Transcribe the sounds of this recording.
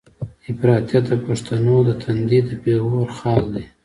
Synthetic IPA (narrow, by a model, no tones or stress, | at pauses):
ɪfɾɑt̪jat̪̚d̪əpaʂt̪anod̪ət̪ʰand̪id̪əpeɣoɾxɑːld̪e